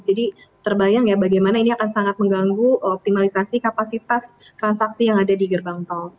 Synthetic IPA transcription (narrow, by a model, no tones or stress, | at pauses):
d͡ʒadi | t̪ərbajaŋjabaɡajmanainiakansaŋat̪̚məŋɡaŋɡuʔɔp̚t̪imalisasikapasit̪as | t̪ɾansaksijaŋadadiɡərbaŋt̪ɔl